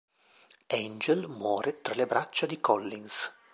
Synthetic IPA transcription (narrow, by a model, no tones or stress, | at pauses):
ɛnd͡ʒelmwɔːɾet̪ɾalebɾat͡ʃːad̪ikɔlːins